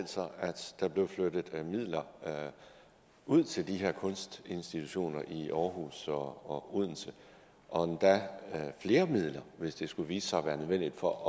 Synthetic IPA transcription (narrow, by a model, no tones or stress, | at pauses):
l̰sɒæd̥d̥æ̈b̥le̝ʊflød̥əð̩ˠmið̰ˠlɐ | ʔuð̰ˠt͡sʰe̝ld̥iɦeɐkʰɔ̽nsd̥e̝nsd̥it͡sʰuɕo̝̰ːnɐʔiɒːɦṵːsɒɒuð̞̰ˠn̩sʰə | ʔɒ̽nd̥æfle̝ːɐmið̰ˠlɐʋe̝sd̥e̝sɡ̥uʋiːsə̥sɑ̈ɪʋæːɐnøʋen̰d̥id̥fɒ̽ʔ